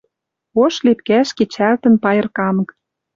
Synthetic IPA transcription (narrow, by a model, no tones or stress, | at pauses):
oʃlip̪̚kæʃket͡ɕælt̪ə̆npɑjə̆rkɑmɤ̆k